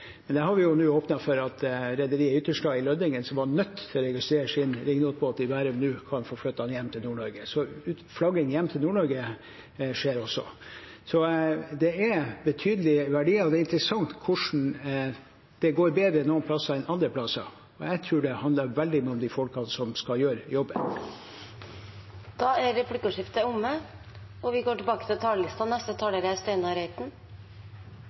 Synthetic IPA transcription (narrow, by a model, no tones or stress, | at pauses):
mɛnd̪ɛhɑɾʋɪjʊnʉːoːpnɑfɔɾɑt̪ʰɾɛd̪əɾiːəʏt̪ːəʂʈɑːɪlœd̪ɪŋənsɔmʋɑɳœt̪ʰːt̪ʰɛlɔɾɛɡɪst̪ɾeːɾəʂɪnɾɪŋnuːt̪̚bʰoːt̪̚d̪ɪbæːɾənʉːkʰɑnfoːflœt̪ːɑnjɛmːt̪ʰɪlnuːɳɔɾɡəsɔʉ | flɑɡənjɛmːt̪ʰɪlnuːɳɔɾɡə | ʂeːɾɔsːɔ̰ | sɔd̪ɛæbɛt̪ʰyːd̪əlɪʋæɖiːɑɔd̪ɛɪnt̪ɾəsɑŋt̪kʰʊʂɳ̩ | d̪̥ɛɡoːɾbeːd̪ɾəɛnoːnpʰlɑsːɑɛnɑnd̪ɾəpʰlɑsɑ̰ | ɔjɛɪt̪ʰɾʉːɖɛhɑnəɾʋɛld̪ɪmyːɔd̪ɪfɔlkɑnsɔmskɑjøːɾəjɔbːən | d̪̥ɑːæɾːɛplɪkʂɪft̪əʊmːə | ɔʋɪɡoːʈɪlbɑːkə̥t̪ʰɪlt̪ʰɑːləlɪst̪ɑnɛst̪ət̪ʰɑːləɾəæst̪eɪnɑɾæɪt̪n̩